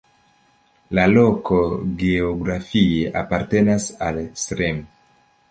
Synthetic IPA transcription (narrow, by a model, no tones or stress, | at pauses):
lalo̞ko̞ɡeoɡɾafieʔapaɾte̞nasalsɾem